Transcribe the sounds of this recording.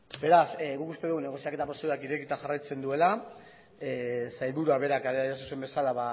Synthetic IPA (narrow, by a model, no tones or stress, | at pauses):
be̞ɾasɡukust̪eðuɣune̞ɣ̞o̞siake̞t̪apɾoseðakiɾe̞kit̪axarajt͡se̞nd̪ue̞la | sajlβuɾuaβe̞ɾakaɾeaiɾasuse̞mbe̞salaβa